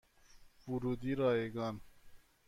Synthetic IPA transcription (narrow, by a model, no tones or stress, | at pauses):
buɾud̪iɾɑːeɡɑːn